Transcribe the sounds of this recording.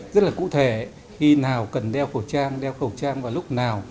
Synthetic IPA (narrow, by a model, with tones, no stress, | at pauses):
zə˦˥t̚laː˨kṵ˧˥t̪ʰe˧˩ | xi˧naː˨˩wkə˨˩nɗɛ˧wxə˧˩wt͡ɕaː˧ŋɗɛ˧wxə˨˩wt͡ɕaː˧ŋvaː˨˩wlʊ˦˥k͡p̚naː˨˩w